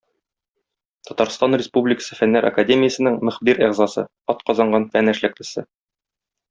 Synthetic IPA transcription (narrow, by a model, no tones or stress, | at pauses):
t̪ɒt̪ɑɾst̪ɑnrʲɪspublʲɪkə̥sɤ̥fænːæɾʔɐ̰kadʲemʲɪjəsɤ̆nɘŋmɘ̆χbiɾiʁzɑsɤ̰ | ɒt̪̚qɒzɑɴɢɑnfænæʃlæk̚lɘ̆sɘ